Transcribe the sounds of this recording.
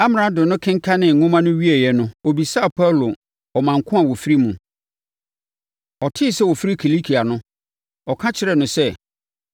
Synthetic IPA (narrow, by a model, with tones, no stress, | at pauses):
a˦m˨a˦dʊ˨nʊ̃˦kʰɪ̃˦ŋ˦kʰa˦nɪ̃˨ŋ̩˨ŋʊ̃˦mã˦nʊ̃˦ɥi˦e˨jɛ˨nʊ̃˦o˨bi˨sa˦˨pʰa˦wlo˨ | ɔ˨mã˨ŋ˨kʰʊ̃˦a˨wɔ˨fi˦ɾi˦mũ˨ | ɔ˨tʰɪ˦˨sɛ˦wɔ˨fi˦ɾi˦kʰi˨li˦kʰi˨a˨nʊ̃˦ | ɔ˨kʰã˦t͡ɕʰɪ˦ɾɛ˨nʊ̃˨sɛ˦